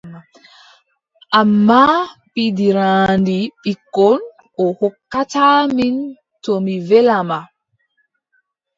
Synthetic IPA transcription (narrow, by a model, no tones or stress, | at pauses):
ʔamːapidiɾaːndiɓikːɔn | ʔɔhɔkːataːmin | tɔmivɛlama